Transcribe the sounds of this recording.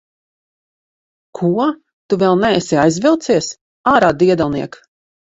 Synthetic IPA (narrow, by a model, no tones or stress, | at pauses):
kʰuɔ | t̪uvɛlˠnɛɛsiajzvilˠt̪siɛs | aːɾaːd̪iɛd̪alˠniɛk